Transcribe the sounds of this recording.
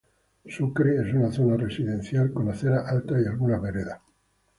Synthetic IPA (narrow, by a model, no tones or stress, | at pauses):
sukɾeesunaθo̞naresiðẽ̞n̟θjalkonaθeɾaʔalt̪aialɣunaβe̞ɾeða